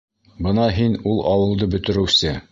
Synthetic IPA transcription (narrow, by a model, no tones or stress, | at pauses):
bɤnɑɦinulˠʔɑwɤ̆lˠd̪ɤbɵ̆t̪ɘ̆ɾɘ̆wsɘ